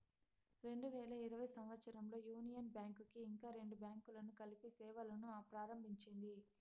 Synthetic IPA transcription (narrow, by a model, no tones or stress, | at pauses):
ɾe̞ɳɖuʋɛːlɐiɾɐʋɐjsɐmʋɐt̪sɐɾɐmlo̞ːjuːnijɐnbjaːŋkukiːŋkaːɾe̞ɳɖubjaːŋkulɐnukɐlipisɛːʋɐlɐnuaːpɾaːɾɐmbʱiɲt͡ʃind̪i